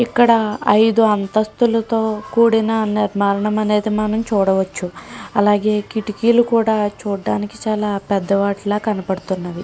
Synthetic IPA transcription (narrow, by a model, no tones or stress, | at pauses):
ikːɐɽɐɐjd̪uɐnt̪ɐst̪ulɐt̪o̞ːkuːɽinɐniɾmaːlɐɳɐmɐne̞ːd̪imɐnɐmt͡ʃuːɽɐʋɐt͡ʃːuɐlaːɡe̞ːkiʈikiːlukuːɽaːt͡ʃuːɖːaːnikit͡ʃaːlaːpɛd̪ːɐʋaːʈlaːkɐnɐpɐɽut̪unːaʋi